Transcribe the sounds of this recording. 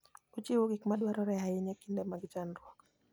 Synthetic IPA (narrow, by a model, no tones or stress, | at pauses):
ut͡ʃiwuɡikmaɗwaɾɔɾɛɦaiɲɛkindɛmaɡd͡ʒanɾwɔk